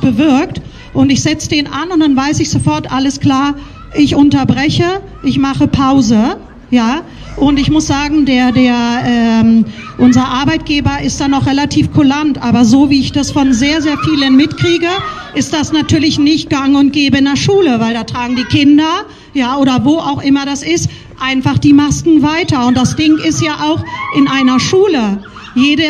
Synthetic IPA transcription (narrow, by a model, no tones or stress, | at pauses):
b̥əvɪɐk̚t | ʔʊntɪçz̥ɛt͡sədeːnʔanʊntd̥anvaɪsɪçz̥ofɔɐtʔaləskl̥aːɐ | ʔɪçʔʊntɐbʁɛçə | ʔɪçmaχəpʰaʊzə | jaː | ʔʊntɪçmʊsz̥aːɡŋ̩deːɐdeːɐʔɛːmʔʊnzɐʔaɐbaɪt̚ɡ̥eːbɐɪstd̥aːnɔχʁɛlatʰiːfkʰulantʔaːbɐzoːviːɪçd̥asfɔnzeːɐzeːɐfiːlənmɪtkʁ̥iːɡə | ʔɪst̚d̥asnatʰyːɐlɪçnɪçt̚ɡ̥aŋʊnt̚ɡ̥eːbəɪndeɐʃuːləvaɪldaːtʁ̥aːɡŋ̩diːkʰɪndɐ | jaːʔoːɾɐvoːʔaʊxʔɪmɐɾasɪst | ʔaɪnfaχd̥iːmaskŋ̩vaɪtɐʊntd̥asd̥ɪŋɪstjaːʔaʊxʔɪnʔaɪnɐʃuːlə | jeːdə